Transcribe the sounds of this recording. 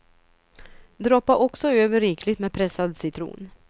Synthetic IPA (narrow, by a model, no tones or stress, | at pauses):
d̪ɾɔːpːaʔɔksɔøːvəɾiːkʰlɪt̪meːpʰɾɛsad̪sɪt̪ʰɾṵːn